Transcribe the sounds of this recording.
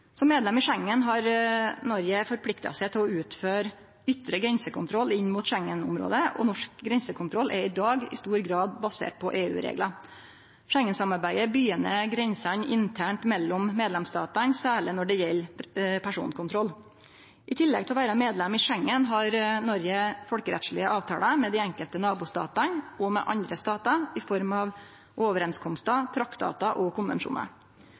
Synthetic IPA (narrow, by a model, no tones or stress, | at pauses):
sɔmːeːd̪lɛmɪʂɛŋːənɦɑɾnɔɾjəfɔɾpʰlɪkt̪ɑ̰sɛɪt̪ʰɪlɔʉːt̪føːɾ | ʏt̪ːɾəɡɾɛnsəkʊnt̪ʰɾɔlːɪnːmuːt̪ʃɛŋːənʊ̰mɾo̰ːd̪əɔ̰nɔʂkɡɾɛnsəkʰʊnt̪ɾɔlʔɛɾɪd̪ɑːɡɪ̰st̪uːɾɡɾɑːd̪bɑsḛːʈ̚pʰɔʔeːʉ̰ːɾḛːɡlɑ | ʃɛŋːənsɑmɑɾbæɪəbyːənəɡɾɛnsɑnɪnt̪ʰæːɳʈmɛlːɔmːeːd̪lɛmst̪ɑ̰ːt̪ɑnsæːɭɪnɔɖɛjɛlːpʰæʂṵːnkʰʊnt̪ʰɾɔlː | ʔɪt̪ʰɪlːɛ̰ɡ̚t̪ɛɔʋæːɾɑmeːd̪lɛmɪʂɛŋːənɦɑɾnɔɾɡəfɔlkəɾɛ̰t̪ʂɭɪəʔɑːʋt̪ʰɑ̰ːləmɛd̪ɪɛŋkəlt̪ənɑːbuːst̪ɑ̰ːt̪ɑnɔmɛ̰ʔɑ̰nd̪ɾəst̪ɑːt̪ɑɪfɔɾmɑʋ | ʔoʋəɾɛnskʰɔmst̪ɑt̪ʰɾɑktd̪ɑ̰ːt̪ɑʔɔkʰʊnʋɛ̰nʂṵːnɑ̰ɾ